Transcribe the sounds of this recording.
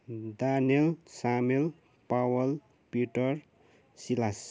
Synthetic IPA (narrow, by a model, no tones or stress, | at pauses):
d̪anielsamel | pawʌl | piʈʌr | silas